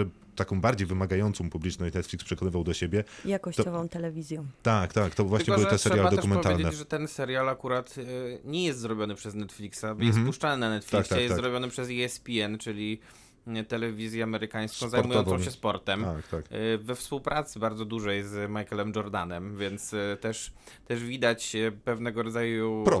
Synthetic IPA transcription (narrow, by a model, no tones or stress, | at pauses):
t̪akɔ̃w̃baɾd͡ʑejvɘmaɡajɔnt̪sɔ̃w̃publʲit͡ʂnɔɕnɛt̪fʲlʲikspʂɛkɔnɘvawd̪ɔɕebʲjɛjakɔɕt̪ɔt͡ɕɔvɔ̃w̃t̪ɛlɛvʲizʲjɔ̃w̃t̪akt̪akt̪ɔvwaʃɲɛɔɨw̪ɛsɛɾɛɾjalɛatd̪ɔɛʂkumɛnpɔvt̪aeld͡ʑeɛd͡ʑʐɛt̪ɛnsɛɾjalakuɾat̪ɲɛjɛst̪zɾɔbʲjɔnɘpʂɛznɛt̪flʲiksabɔjɛst̪puʂt͡ʂanɘnanɛt̪flʲiaksajɛɾɔbʲjɔnɘpʂɛzɛspʲiɛnt͡ʂɘlʲi | t̪ɛlɛvʲizʲjɛamɛɾɘkaj̃skɔ̃w̃zajmmujɔnɔ̃ɕɛspɔɾt̪ɛmakt̪akvɛfspuwpɾʔat̪sɘbaɾd̪zɔd̪uʐɛjzmajkɛlɛmd͡ʒɔɾd̪anɛmvʲjɛnt̪st̪ɛʂt̪ɛʐvʲid̪at͡ɕpɛvnɛɡɔɾɔd̪zaju